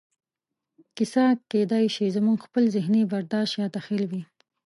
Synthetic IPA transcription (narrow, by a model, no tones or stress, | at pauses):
kɪsɑked̪ɑjʃizamuŋɡxpəlzɪhnebaɾd̪ɑʃt̪jɑd̪axɪlwi